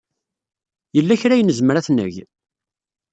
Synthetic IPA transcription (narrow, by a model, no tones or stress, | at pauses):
jəlːæçɾæjənəzməɾæθnə̰ʝ